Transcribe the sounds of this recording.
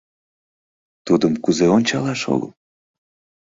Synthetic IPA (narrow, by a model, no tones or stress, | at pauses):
t̪ud̪əmkuzeonʲt͡ɕɑlɑʃo̰ɣə̰l